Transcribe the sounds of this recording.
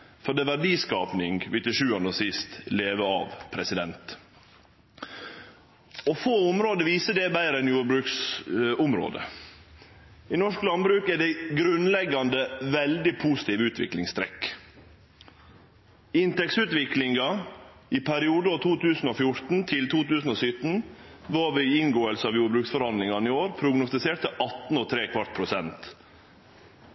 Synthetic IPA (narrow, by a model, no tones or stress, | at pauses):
fɔɖ̪ɛʋæɖiːskɑ̰ːpnɪŋɡʋɪt̪ɪʂʉːɑnəsɪst̪leːʋəɑ̰ʋpʰɾɛsɪd̪ɛnt̪ | ɔfoːʊmɾoːd̪əʋiːsəd̪ɛbæɪɾəɛnjuːɾbɾʉːksʊmɾo̰ːd̪ə̰ | ɪnɔʂklɑnbɾʉːkæɖɛɡɾʉnlɛɡɑnd̪əʋɛld̪ɪpʰuːsɪ̥t̪iːʋəʉːt̪ʰʋɪ̰klɪŋst̪ʰɾɛ̰k | ɪnt̪ɛksʉːt̪ʋɪklɪŋɡɑ | ɪpʰæɾɪuːd̪əɔːt̪ʰuːt̪ʰʉːsn̩ofjʊɾt̪n̩t̪ʰɪlt̪ʰuːt̪ʉːsn̩ɔːsʏt̪n̩ʋɑːʋɪɪŋɡoːəlsəɑʋjuːɾbɾʉːksfɔɾhɑnd̪lɪŋɑnɪoːɾpʰɾʊɡnʊst̪ɪseːʈt̪əʔɑt̪n̩ɔt̪ʰɾeːkʰʋɑɾʈ̪pʰɾʊsɛnt̪